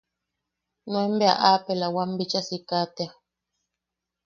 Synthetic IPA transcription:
nwɛm̩bɛa̰ʔapɛlawam̩bit͡ʃasikatea

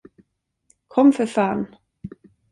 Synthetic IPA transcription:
kʰɔmfœfaːn

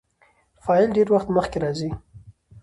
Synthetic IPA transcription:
fɑɪlɖeɾwaxt̪məxkeɾɑzi

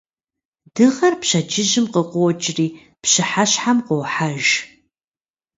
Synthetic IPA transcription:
d̥ɨʁɐrpɕɐd͡ʒɪʒɪmqəqʷʊwt͡ʃʼriː | pɕɨħaɕħamqowħaʒ

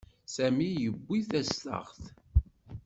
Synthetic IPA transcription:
sæmijəbʷːiθæst̪ə̰ʁθ

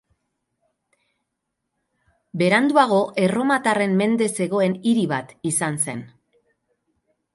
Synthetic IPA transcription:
be̞ɾand̪uaɣ̞o̞ʔe̞ro̞mat̪are̞mme̞nd̪e̞se̞ɣ̞o̞e̞niɾiβat̪isanse̞̰n

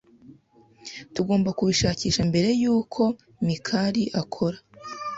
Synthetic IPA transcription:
tuɡo̞ːmbakuβiʃaːciːʃambe̞ɾe̞juːkʰo̞ | mikʰaɾiʔakʰo̞ɾa

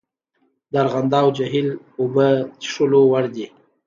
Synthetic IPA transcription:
d̪aɾɣand̪ɑwd͡ʒaɦil | obəʂəlowaɽd̪i

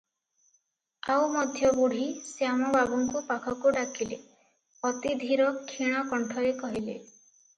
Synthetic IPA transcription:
awmɔd̪ʱjɔbuɽ̤isjamɔbaɡuŋkupakʰɔkuɖakʰilḛ | ɔt̪id̪ʱiɾɔkʰiɽ̃ɔkɔɳʈʰɔɾekɔɦile

